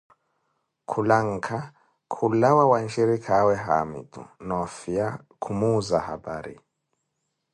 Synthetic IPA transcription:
kʰulaŋ̩kʰa | kʰulawawant͡ʃiɾikʰawɛɦa̰mḭd̪ṵnɔfija | kʰumuzaha̰ba̰ɾḭ

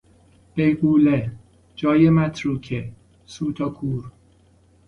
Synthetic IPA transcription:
b̥ejɢuːle | d͡ʒɒːjemæt̪ʰɾuːkʰe | suːt̪ʰɒkʰuːɾ

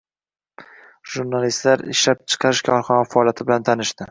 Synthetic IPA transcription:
ʒuɾnalist̪laɾɪ̰ʃlap̚t͡ʃʰɨ̥qʰɑɾɪʃkʲʰɒɾχɒnafaɒːlˠjat̪ʰɪbɪlant̪ʰanɪʃd̪ɪ

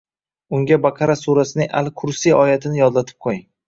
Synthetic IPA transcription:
ʊŋɡʲabaqʰɑɾasuɾasɪnɪŋʔa̰lkʰʊɾsijɒjat̪ʰɪnɪjɒd̪lat̪ʰɪ̥p̚qʰojɪŋ

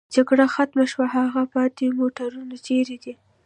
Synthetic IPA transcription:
d͡ʒaɡɽaxat̪maʃwaɦaɣapɑt̪emoʈaɾunat͡ʃeɾed̪i

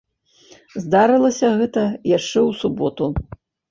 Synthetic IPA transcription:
zd̪aɾɨlˠɐsʲɐɣɛt̪ɐjaʂt͡ʂɛwsubɔt̪u

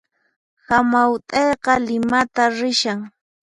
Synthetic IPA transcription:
hamawt̪ʼejqɑlɪmat̪aɾɪʃaŋ

